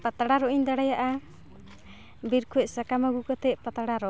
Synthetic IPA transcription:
pat̪aɽaɾɔind̪aɽajaʔa | biɾkʰuɛsakamaɡukɔt̪ɛpat̪aɽaɾɔ

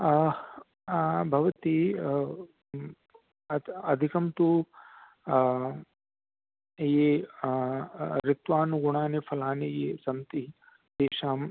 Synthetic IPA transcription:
bʱɐʋɐt̪i | ɐd̪ʱikɐmt̪u | jeː | ɾɪt̪ʋaːnuɡuɳaːnefʰɐlaːnejeːsɐmt̪i | d̪eːʃaːm

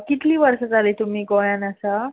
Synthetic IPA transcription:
kit̪liːʋəɾsad͡zalet̪um̤iːɡojanasa

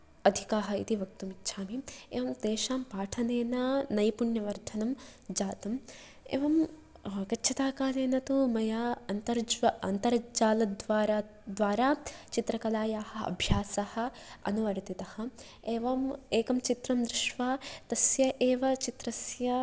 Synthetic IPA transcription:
ɐd̪ʱikaːɦɐ̆ḭt̪iʋɐk̚t̪umitːʃʰaːmiḛːʋɐmd̪eːʃaːmpaːʈʰɐneːnɐnɐjpuɳjɐʋɐɾd̪ʱʰɐnɐmd͡ʒaːt̪ɐm | ḛːʋɐm | kɐtːʃʰɐt̪aːkaːleːnɐt̪umɐjaːɐnt̪ɐɾd͡ʒɐnt̪ɐɾd͡ʒaːlɐd̪ʋaːɾa | d̪ʋaːɾaːt͡ʃit̪ɾɐkɐlaːjaːhɐ̆ɐ̰bʱjaːsɐhɐ̆ɐ̰nuʋɐɾt̪it̪ɐhɐ̆ | eːʋɐmeːkɐmt͡ʃit̪ɾɐmd̪ɾɪʃʋaːt̪ɐsjɐʔeːʋɐt͡ʃit̪ɾɐsjɐ

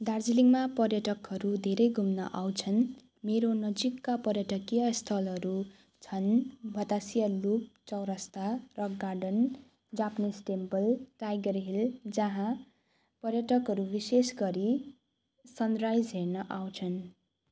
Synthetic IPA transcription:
d̪ard͡ziliŋmapʌrjʌʈʌkʌɾud̪ʱeɾʌjɡʱumnʌ̰ʔawt͡sʰʌn | meɾonʌd͡zikːapʌrjʌʈʌkijʌst̪ʰʌlɦʌɾu | t͡sʰʌnbʱʌt̪asijʌlup̚t͡sʌwɾʌst̪arʌɡɡarɖʌn | d͡zapnisʈembʌlʈajɡʌɾɦild͡zʌɦã | pʌrjʌʈʌkɦʌɾubisesɡʌɾi | sʌnrajd͡zɦernʌʔawt͡sʰʌn

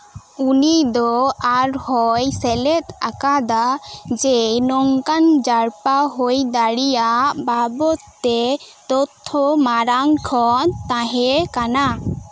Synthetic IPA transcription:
unid̪ɔaɾhɔjsɛlɛt̪akad̪ad͡ʒɛnɔŋkand͡ʒaɽpaɦojd̪aɽijaʔbabɔt̪t̪ːɛ | t̪ɔt̪ʰːɔmaɾaŋkʰɔnt̪ãɦɛkana

